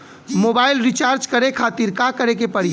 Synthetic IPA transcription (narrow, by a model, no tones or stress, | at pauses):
moːbaːɪlɾit͡ʃaːɾd͡ʒkəɾekʰaːt̪iɾkakəɾek̬epəɽ̤i